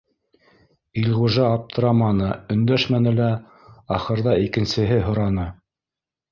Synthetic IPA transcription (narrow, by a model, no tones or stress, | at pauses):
ilʲʁuʒɑːp̚t̪ʰɤ̆ɾɑmɑnɤɵ̆nd̪æʃmænɘ̆læ | ɑχɤ̆ɾðɑikɘ̆nsɘ̆ɦɘɦŏɾɑnɤ